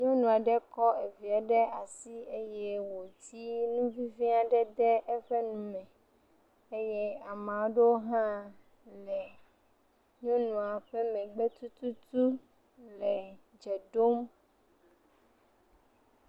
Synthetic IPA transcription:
ɲɔ̃˦nũ˨a˨ɖɛ˦kɔ˦e˨vi˨a˨ɖɛ˦a˨si˦e˦jɛ˦wo˨t̪i˦nũ˦vi˦vi˦a˨ɖɛ˦d̪ɛ˦ʔɛ˦ɸe˦nũ˨mɛ̃˨ | e˦jɛ˦a˨mã˨˦ɖe˦o˦ɦã˦ | lɛ˨ | ɲɔ̃˦nũ˨a˨ɸɛ˦mɛ̃˨ɡ͡bɛ˦t̪u˦t̪u˦t̪u˦ | lɛ˨ | d͡ʒɛ˨ɖo˦m

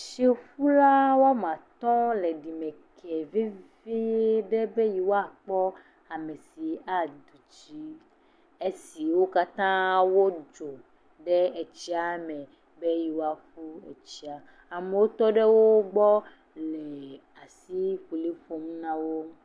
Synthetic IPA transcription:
ʃe˦ɸu˦la˦wo˦a˦mã˨t̪ɔ̃˦lɛ˨ɖi˨mẽ˨kʰɛ˨ve˦ve˦ɖe˦be˦ji˨wo˦a˨k͡pɔ˦ | a˨me˨si˨a˨d̪u˨t͡ʃi˦ | e˦si˨wo˦ka˦t̪ã˦wo˦d͡ʒo˨ | ɖe˦ɛ˨t͡ʃi˦a˨mɛ̃˨ | be˦ji˨wo˦a˨fu˦ɛ̰˨t͡ʃi˦a˨ | a˨me˨wo˦t̪ɔ˦ɖe˦wo˦ɡ͡bɔ˦ | lɛ˨ | a˨si˦ɸu˨li˦fo˨m̃˦nã˦wo˦

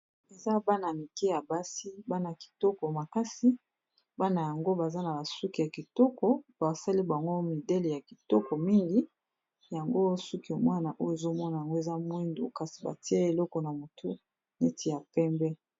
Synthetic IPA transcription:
e˨za˦ba˦na˨mi˨kɛ˦ja˨ba˦si˦ba˦na˨ki̥˨tɔ˦kɔ˨ma˨ka˦si˦ | ba˦na˨ja˨ŋɡo˦ba˨za˦na˨ba˨su˦ki˨ja˨ki˨tɔ˦kɔ˨b̥a˨sa˦li˦bŋɡo˦mi˨dɛ˦le˨ja˨ki˨tɔ˦kɔ˨mi˦ŋɡi˦ | ja˨ŋɡo˦su˦ki˨mwa˦na˨ʔo˦jo˨e˨zo˦mɔ˦na˨ja˨ŋɡo˦e˨za˦mwi˦ndo̰˨ka˨si̥˨ba̰˨ti˦e˦e˨lɔ˦kɔ˨na˨mo˨tu˦ | ne˦tʰi˨ja˨pɛ˦mbɛ˦

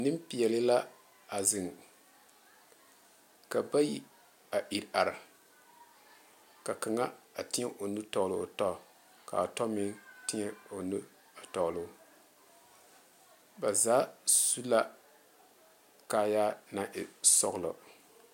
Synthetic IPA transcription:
nɨ˦mpi˨jɛ˨lɨ˦la˦ | a˨zɨ˨ŋ | ka˨ba˦ji˨ | a˨ʔi˨ɾa˨ɾɪ˨ | ka˨ka˨ŋa˦a˨tɪ˦ɲɛ˦ʔo˨nu˦tɔ˨lo˨tɔ˦˨ | ka̰˨a˨tɔ˦mɪ˦ŋtɪ˦ɲɛ˦o˨nu˦ | a˨tɔ˨lʊ˦ | ba˨zaː˨˦su˦la˦ | kaː˨ja˦na˨˦ʔɪ˨sɔ̰˨ɣlɔ̰˨

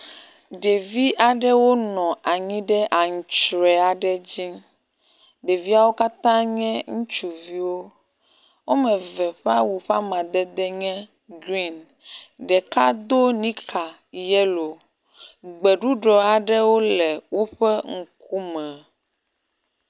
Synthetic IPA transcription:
ɖe˨vi˦ʔa˨ɖɛ˦wo˦nɔ̃˨a˨ɲĩ˦ɖɛ˦ʔa˨ŋ̩˨t͡ʃɾɛ˨a˨ɖɛ˦d͡ʑi˦ | ɖe˨vi˦a˦˨wo˦ka˦t̪ã˦ɲɛ̃˦ŋũ˦t͡ʃu˨vi˦wo˦ | wo˦mɛ̃˨vɛ˨ɸa˦wu˨ɸa˦mã˨d̪ɛ˦d̪ɛ˦ɲɛ̃˦ | ɡɾi˦n | ɖɛ˨ka˦d̪o˦nĩ˦kʰa˨ | jɛ˦lo˨ | ɡ͡bɛ˨ɖu˦ɖɾɔ˨a˨ɖɛ˦wo˦lɛ˨wo˦ɸɛ˦ŋ̩˨ku˦mɛ̃˨

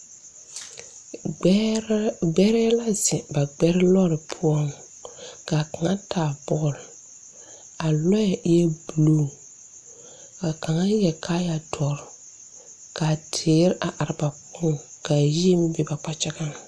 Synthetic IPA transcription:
ɡ͡bɛ˦ɾɛ˦la˦zɪ˨ba˨ɡ͡bɛ˦ɾɪ˦lɔ˦ɾɪ˨pʰʊ˦ɔ˦ŋ | ka˨ka˨ŋa˦tʰaː˨bɔ˦˨l | a˨lɔ˦ja˨ʔɪ˦ɛ˦bu˨lo˦˨ | ka˨ka˨ŋa˦jɛ˨kʰa˦ja˨tʰɔ˨ɾ | ka˨tʰeː˨˦ɾʔa˨ʔa˨ɾɪ˦ba˨k͡pʊ˦ŋka˨ji˦e˦m˦bɪ˨ba˨k͡pa˦t͡ʃɛ˦ɡa˦ŋ

